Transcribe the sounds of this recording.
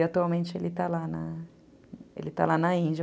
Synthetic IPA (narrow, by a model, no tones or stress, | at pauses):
at̪uawmẽnt͡ʃɪelɪt̪alanɐ | ḛlɪt̪a̰lanɐĩnd͡ʒ